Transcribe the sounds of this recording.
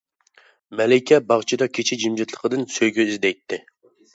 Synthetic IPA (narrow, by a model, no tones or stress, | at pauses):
mɛlɪkʲʰɛbɑʁt͡ʃʰid̪ɑkʲʰet͡ʃʰid͡ʒimd͡ʒit̪ʰlˠə̥qʰəd̪ɨnsøjɡʲyizd̪ɛjt̪ʰːɪ